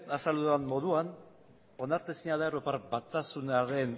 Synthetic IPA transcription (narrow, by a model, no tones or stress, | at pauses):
asaluanmo̞ðuan | o̞naɾt̪esiɲaðaeɾopaɾbat̪asunaɾe̞n